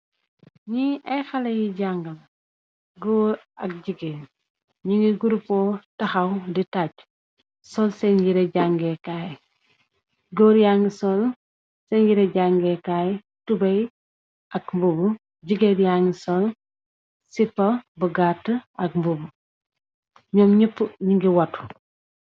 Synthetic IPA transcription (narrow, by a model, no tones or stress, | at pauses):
ɲiʔɐjxɐlɐjiɟaŋɡɐl | ɡɔːɾ | ɐk̚ɟiɡen | ɲiŋɡiɡuɾupɔtɐxɐwditaɟ | sɔlsɛnɡiɾɐɟaŋɡɛkaːj | ɡɔːɾjaŋɡisɔl | sɛɲɟiɾeɟaŋɡɛkaj | tubɐj | ʔɐkmbubu | ɟiɡedjaŋɡisɔl | sipːɐbəɡatːəʔɐk̚mbubu | ɲɔmɲipːɲiŋɡiwɐtu̥